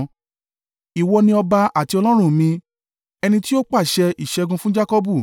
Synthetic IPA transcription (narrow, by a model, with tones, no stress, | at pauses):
i˨wɔ˧nĩ˧ɔ˧ba˧a˨ti˧ɔ˧lɔ̃˦ɾ̃ũ˦˨mĩ˧ | ɛ˧nĩ˧ti˦o˦k͡pa˦˨ʃɛ˧ʔi˨ʃɛ˧ɡũ˧fũ˦d͡ʒa˦kɔ˦bu˦˨